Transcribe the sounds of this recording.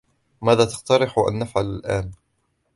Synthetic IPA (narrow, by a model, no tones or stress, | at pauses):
maːðaːt̪ɑ̥qt̪ɑɾɪħʔa̰nːafʕalalʔaːn